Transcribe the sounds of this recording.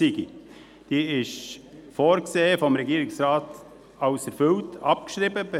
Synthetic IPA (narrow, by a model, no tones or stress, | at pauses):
iɡḭ | d̥iːɪʃfoːɾkseːəfɔmɾɛɡiːɾɪksɾɑːt | ɑʊsɛɾfʏltɑp̚kʃɾiːbəbə